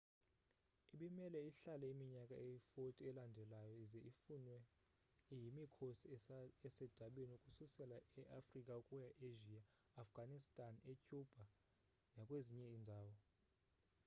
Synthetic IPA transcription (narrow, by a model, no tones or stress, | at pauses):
iɓimɛlɛiɬalɛimiɲakʼaejifotʼiɛlandʱɛlajɔizɛifunwɛ | jimikʰosiɛsɛd̥ʱaɓeniukʼususɛlaɛʔafrikʼaukʼujaʔeʒiaː | fɡ̥ʱanistʼanecʼub̥ʱa | nakʼweziɲɛindʱaːwɔ